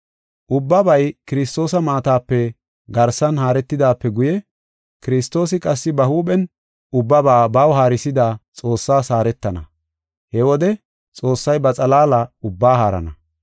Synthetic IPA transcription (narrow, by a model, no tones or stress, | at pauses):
ʔʊbːɐbɐjkɪɾɪst̪o̞ːsɐmaːt̪aːpːɛ | ɡɐɾsɐnhaːɾɛt̪ːɪd̪aːpːɛɡʊjɛ | kɪɾɪst̪o̞ːsɪkʼɐsːɪbɐhuːɓɛn | ʊbːɐbaːbawɦaːɾɪsɪd̪aːt͡sʼo̞ːsːaːsaːɾɛt̪ːɐnɐ̰ | hɛwɔd̪ɛ | t͡sʼo̞ːsːɐjbɐt͡sʼɐlaːlɐʊbːaːɦaːɾɐ̰nɐ